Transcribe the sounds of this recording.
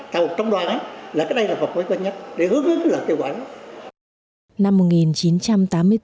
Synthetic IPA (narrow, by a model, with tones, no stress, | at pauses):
t̪ə˨˩˨t͡ɕɔ˧wŋ͡mɗwaː˨˩naː˧˦laː˨˩kaː˨˥ɗjlaː˨˩fə˨˩t̚mə˨˦jkwə˧nɲə˦˥t̚ɗe˧˩hɨ˨˦əŋʔɨ˨˧˥kaː˨˦ləː˨˩ke˧wkwaː˧˩a˦ | na˧mːo˨˩t̚ŋi˨˩nt͡ɕi˨˦nt͡ɕa˧mt̪aː˨˦mːɨ˧əj